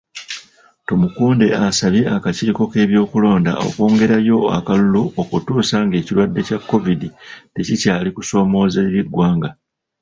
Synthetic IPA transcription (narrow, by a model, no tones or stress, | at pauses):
to̞mukuːnde̞asaβje̞akaciːko̞ke̞ːβjo̞ːkulo̞ːnda̰o̞̰kwo̞ːŋɡe̞ɾajo̞a̰kaluluokutuːsaŋɡe̞ːcilwadːe̞cakːo̞viditecicaːlikuso̞ːmo̞ːzeβiɡwaːŋɡa